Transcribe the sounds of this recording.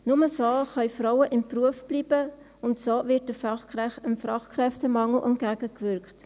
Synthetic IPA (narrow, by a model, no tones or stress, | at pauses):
nʊməsoχœʏfrɔwəʔɪmpruəfb̥liːb̥ə | ʊntsoːvɪt̚dəfɛəmfɾɑχkʁɛftəmɑŋl̩ʔə̰nɡæɡəkvʏɾkχt